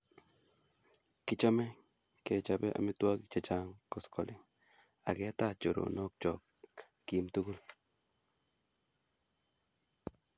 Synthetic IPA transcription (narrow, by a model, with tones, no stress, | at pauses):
ki˦t͡ʃɔ˦mɛ˦ | kɛ˨t͡ʃa˨bɛ˦ʔa̰˨mi˦twa˦ki˦k̚t͡ʃet͡ʃa˦ŋkɔ˨skʰɔ˨li˨ | a̰˨kɛ˦ta˦t͡ʃo˨ɾo̰˨nɔ˦k̚t͡ʃɔ˨k | ki˨mtu˦ku˦l